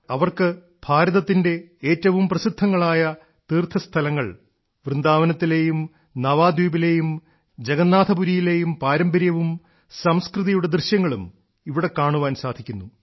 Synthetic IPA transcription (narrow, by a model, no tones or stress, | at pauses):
ɐʋɐrkɨ | bʱaːɾɐðɐt̪ːinde̞eːtːɐʋumprɐsid̪ʱːɐŋːɐɭaːjɐ | t̪iːrt̪ʰɐst̪ʰɐlɐŋːɐɭ | ʋrɨnd̪aːʋɐnɐt̪ːile̞ːjum | nɐʋaːd̪uːbile̞ːjum | d͡ʑeɡɐnːaːd̪ʰʱɐbuɾijile̞ːjumpaːɾɐmbɐɾjɐʋum | sɐmskrɨðijuɽe̞d̪rɨɕjɐŋːɐɭum | iʋiɽe̞kaːɳuʋaːnsaːd̪ʱikʲːunːu